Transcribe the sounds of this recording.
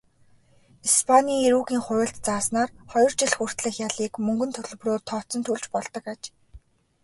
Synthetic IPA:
ispʰanʲiːŋeɾuːɣiːŋχʊɾʲɪ̆ɬt̪t͡saːsnaːrχɔjɞ̆rt͡ɕiɮxur̥t̪ɮɘ̆xjaɮiːkmɵŋɡɵ̆nt̪ʰɵɮɵ̆proːrt̪ʰɔːt͡sɞ̆nt̪ʰuɮt͡ɕpɔɮt̪ɞ̆kat͡ɕ

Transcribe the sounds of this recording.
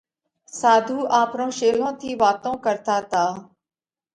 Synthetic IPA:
saːd̪ʱuːʔaːpɾõːʃeːlõːt̪ʰiːʋaːt̪õːkəɾt̪aːt̪aː

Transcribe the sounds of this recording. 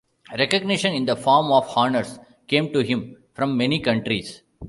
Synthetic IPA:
ɾɛkəɡ̚nɪʃə̃nɪ̃nd̪ɐfɔːɾmɔːʋhɔːnəɾs | kẽːmʈuɦɪ̃m | fɾʌ̃mːɛnikʌ̃ɳʈɾis

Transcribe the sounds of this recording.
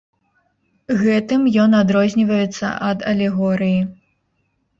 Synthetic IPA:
ɣɛt̪ɨmjɔnad̪ɾɔzʲnʲivɐjɛt̪sːɐ̰ʔɐd̪ɐlʲɛɣɔɾɨji

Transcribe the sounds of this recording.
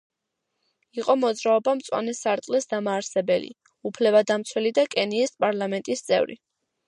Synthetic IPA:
iqʼɔmɔd̪zɾaɔbamt̪sʼwa̰nɛsaɾt̪ʼlɛsd̪amaːɾsɛbɛlḭ | upʰlɛbad̪amt̪sʰwɛlid̪akʼɛniːspʼaɾlˠamɛnt̪ʼist̪sʼɛ̰vɾḭ

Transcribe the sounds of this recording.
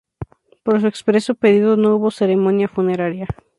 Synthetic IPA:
po̞ɾs̬ue̞kspɾe̞sope̞ðiðono̞uβo̞se̞ɾe̞mõ̞njafune̞ɾaɾja

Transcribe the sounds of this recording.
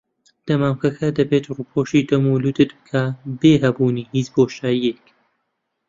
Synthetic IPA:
d̪̥ɐmaːmkɐkʰɐd̪ɐbeːt̪ruːpʰoʃid̪ɐmulud̪ɨt̪̚bɨkʰabeːɦɐbuːniːhiːt͡ʃboːʃaːjiek

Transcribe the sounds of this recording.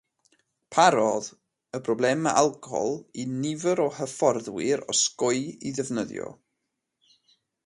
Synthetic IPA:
pʰaɾɔð | əbʰrɔblˠɛmaʔalˠkʰɔɔ̰lˠinɪvəɾɔhəfɔrðwɪɾɔskɔɨiðɛvnəðjɔ̰

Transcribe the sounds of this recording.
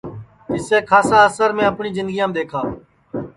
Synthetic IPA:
ɪseːkʰaːsãːəsəɾmẽːəpɳiːzɪ̃nd̪ɡijãːmd̪eːkʰaː

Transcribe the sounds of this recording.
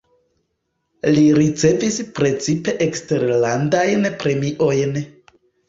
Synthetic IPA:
liɾit͡se̞vispɾe̞t͡sipe̞ʔekste̞ɾlandajnpɾe̞miʔo̞jn

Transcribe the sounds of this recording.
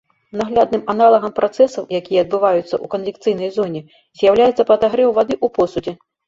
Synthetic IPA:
naɣlʲad̪nɨmanalˠɐɣɐmpɾat̪sɛsɐwjakʲijɐːd̪̚bɨvajut̪sːɐ̰ʔukɐnvʲikt̪sɨjnɐjzɔnʲɛ | zʲjawlʲajɛt̪sːɐpɐd̪aɣɾɛwvad̪ɨʔupɔsud͡zʲi

